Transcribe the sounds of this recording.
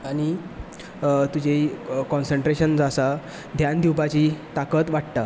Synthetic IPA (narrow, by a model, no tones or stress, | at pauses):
añi | t̪ud͡ʑʱeikɔ̃nsəɳʈɾeɕənd͡zasa | d̪ʱjand̪iwpat͡ɕiːt̪akət̪ʋaʈʈ̪a